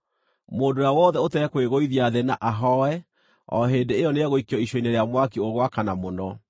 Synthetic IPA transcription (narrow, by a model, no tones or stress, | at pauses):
moːdojawɔðɛotɛɛkweɣoiðiaðenaʔaɦɔɛ | ɔ̰ɦeːndeːjɔneaɣoikiɔiʃɔineɾeamwakioɣwakanamonɔ